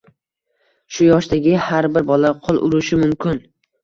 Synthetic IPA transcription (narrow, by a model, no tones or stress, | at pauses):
ʃʊjɒʃt̪aɡʲɪhaɾbɪɾbɒlaqʰʊlˠʔʊ̰ɾʊʃɪmʊmkʰʲɪn